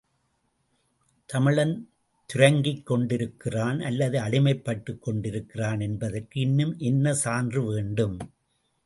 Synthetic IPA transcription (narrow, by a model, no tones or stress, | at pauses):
t̪ɐmɪɭɐn | t̪ʊɾɐŋɡikːɔɳɖɪɾɯkːɪraːnɐlːɐðɯɐɽɪmɐɪpːɐʈːɯkːɔɳɖɪɾɯkːɪraːnɛnbɐðɐrkɯɪnːɯmʔɛnːɐsaːndrɯʋeːɳɖɯm